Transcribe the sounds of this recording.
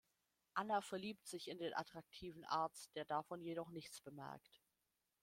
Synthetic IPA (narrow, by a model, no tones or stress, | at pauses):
ʔanafɛɐliːp̚tz̥ɪçɪndeːnʔa̰tʁ̥ak̚tʰiːvn̩ʔa̰ɐt͡st̚d̥eːɐdafɔnjeɾɔχnɪçt͡sb̥əmɛ̰ɐ̰kt